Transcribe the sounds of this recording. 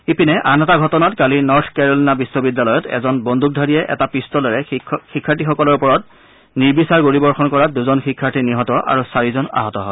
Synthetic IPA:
ipinɛʔanɛtaɡʱɔtɔnatkalinɔɹtʰkɛɹɔlinabisːɔbidalɔjɔtɛ̰zɔnbɔndʱuk̚dʱaɹijɛʔɛ̰tapistɔlɔɹɛxikʰːaɹtixɔkɔlɔɹupɔɹɔt̚ | niɹbisaɹɡoɹibɔɹxɔnkɔɹaduzɔnxikʰːaɹtiniɦɔtɔʔa̰ɹusaɹizɔna̰ɦɔtɔɦɔɛ

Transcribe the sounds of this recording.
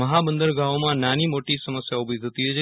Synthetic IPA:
əɦabənd̪əɾɡaʋmãnanimoʈisəməsjaubʱit̪ʰət̪iɦot͡ʃʰ

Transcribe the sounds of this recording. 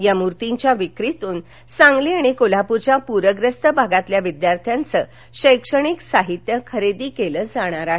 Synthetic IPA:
jamuɾt̪iɲt͡ɕjaʋikɾit̪uːn | sãŋɡliaɽ̃ikolapuɾt͡ɕjapuɾəɡɾəst̪əbʱaɡat̪ljaʋid̪jaɾt̪ʰjant͡səː | ɕəjkʂəɽ̃iksaɦit̪jəkʰəɾed̪iːkeləːd͡zaɽ̃aɾaɦe

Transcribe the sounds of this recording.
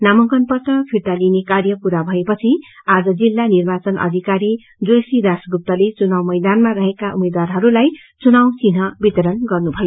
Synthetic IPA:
namʌŋkʌnpʌt̪ʌpʰiɾt̪alinekarjʌkuɾabʱʌepʌt͡sʰiad͡zʌd͡zilːanirbat͡sʌnʔʌ̰d̪ʱikaɾi | d͡zosid̪asɡup̚t̪ʌlet͡sunawmʌjd̪anmaɾʌɦekaʔumed̪warɦʌɾulaj | t͡sunawt͡sinɦʌbit̪ʌɾʌnɡʌrnubʱʌjo

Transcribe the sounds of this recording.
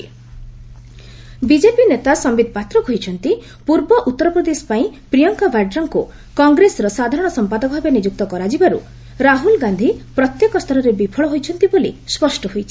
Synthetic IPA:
bid͡ʒepinet̪asɔmbid̪̚ʱɔpat̪ɾɔkojt͡ʃʰɔnt̪i | puɾbɔʔut̪ːɔɾɔpɾɔd̪esɔ̥paĩpɾijɔŋkabʱaɖɾɔŋku | kɔŋɡɾesɔɾɔsad̪ʱaɾɔɽ̃ɔsɔmpad̪ɔkɔɦɔbenid͡ʒuk̚t̪ɔkɔɾad͡ʒibaɾṵ | ɾaɦulɡand̪ʱipɾɔt̪jekɔst̪ʰɔlɔɾebipʰɔɭɔɦojt͡ʃʰɔnt̪ibolḭspɔsʈɔɦojt͡ʃʰi̥

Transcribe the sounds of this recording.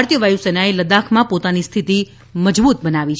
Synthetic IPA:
aɾt̪jəʋajusenaeləd̪akʰmãpot̪anist̪ʰit̪i | məd͡ʒbut̪bənaʋit͡ʃʰ

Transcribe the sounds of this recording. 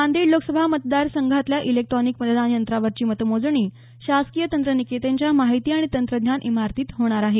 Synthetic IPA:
and̪iːɽloksəbʱamət̪d̪aɾsəŋɡʱat̪ljaʔilek̚ʈ̪ɾɔnikmət̪əd̪anjənt̪ɾaʋəɾt͡ɕiːmət̪əmod͡zɳiː | ɕaskijət̪ənt̪ɾəniket̪eɲt͡ɕjamaɦit̪iːaɽ̃it̪ənt̪ɾəd̪ʱnɲjanʔimaɾt̪iːt̪ɦoɽ̃aɾaɦe

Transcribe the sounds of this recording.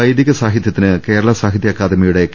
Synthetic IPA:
ɐjd̪iɣɐsaːɦid̪jɐt̪ːinɨke̞ːɾɐɭɐsaːɦid̪jɐkːaːd̪ɐmijuɽe̞k

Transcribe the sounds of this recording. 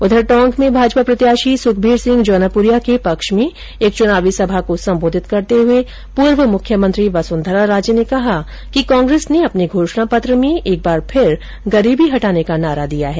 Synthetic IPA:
ʊd̪ʱəɾʈɔ̃ːŋkmẽbʱaːd͡ʒpapɾɐt̪jaːʃisʊkʰbʱiːɾsɪ̃ŋɡd͡ʒɔːnəpʊɾijakepɐkʃmẽ | eːk̚t͡ʃʊnaːʋisɐbʱakosɐ̃mboːd̪ʱɪt̪kɐɾt̪eɦʊe | puːɾʋəmʊkʰjəmə̃nt̪ɾiʋasʊ̃nd̪ʱəɾaɾaːd͡ʒjənekɐɦa | kikɔ̃ːŋɡɾeːsneɐpniɡʱoːʃɳapɐt̪ɾəmẽʔeːk̚baːɾpʰɪɾ | ɡɐɾiːbʱiɦɐʈaːnekanaːɾad̪ijaɦɛː

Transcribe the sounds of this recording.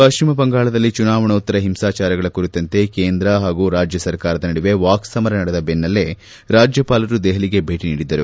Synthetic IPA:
pɐʃt͡ʃimɐbɐŋɡaːɭɐd̪ɐlːit͡ʃunaːʋɐɳɐut̪ːɐɾɐɦimsaːt͡ʃaːɾɐɡɐɭɐkuɾit̪ːɐnt̪e̞keːnd̪ɾɐɦaːɡuɾaːd͡ʒjɐsɐɾkaːɾɐd̪ɐnɐɽiʋe̞ʋaːksɐmɐɾɐnɐɽed̪ɐbenːɐlːe | ɾaːd͡ʒjɐpaːlɐɾud̪ɛɦɐliɡe̞bʱe̞ːʈiniːɽid̪ːɐɾu

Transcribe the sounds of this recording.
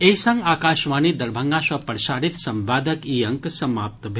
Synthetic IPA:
eisɐŋɡaːkaːʃʋaːnid̪ɐɾbʱɐ̃ŋɡasɐpɐɾʃaːɾit̪sɐ̃mʋaːd̪ʱɐkiːɐŋksɐmaːp̚t̪bʱ

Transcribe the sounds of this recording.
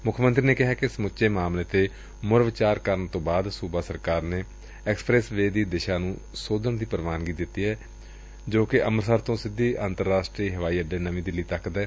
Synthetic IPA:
mʊkʰmənt̪ɾiːneːkɪɦaːkɪsəmʊt͡ʃʃeːmaːmleːt̪eː | mʊɾʋɪt͡ʃaːɾkəɾəɳt̪õːbaːd̪suːbaːsəɾkaːɾneː | ɛːksə̥pɾɛːsʋeːd̪iːd̪ɪʃaːnũː | soːd̪əɳd̪iːpəɾʋaːnɡiːd̪ɪt̪ːiːɦɛː | d͡ʒoːkɪʔəməɾsəɾt̪õːsɪd̪ːiːaːnt̪əɾːaːsʈɾiːɦəʋaːiːəɖeːnəʋĩːd̪ɪliːt̪əkd̪ɛː

